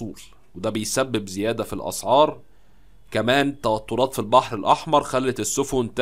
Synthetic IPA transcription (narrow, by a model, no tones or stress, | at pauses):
uːl | wed̪æbejsæbːebzejæːd̪æfilʔɑ̰sˤʕɑːɾˤ | kæmæːnt̪æwæt̪ːoɾˤɑːt̪filbɑħɾelʔɑħmɑɾˤxælːæt̪esːofont̪